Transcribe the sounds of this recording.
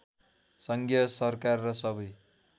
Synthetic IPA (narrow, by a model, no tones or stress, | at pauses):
sʌŋɡjʌsʌrkarːʌsʌbʌj